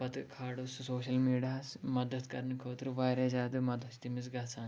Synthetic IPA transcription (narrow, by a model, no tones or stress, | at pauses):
pɐt̪ɨkʰaːɽussoːʃɐlmiːɖijaːsmɐd̪ɐt̪kɐɾnkʰoːt̪ɨɾʋaːɾed͡ʒaːd̪ɨmɐd̪ʱɐst̪imisɡaːt͡sãːn